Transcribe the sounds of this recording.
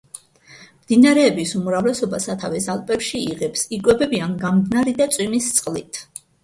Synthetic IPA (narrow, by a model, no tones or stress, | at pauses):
md̪inaɾɛːbisumuɾavlɛsɔbasat̪ʰavɛsalˠpʼɛpʃiiʁɛpsikʼwɛbɛbianɡamd̪naɾid̪at̪sʼwimist̪sʼqʼlit̪ʰ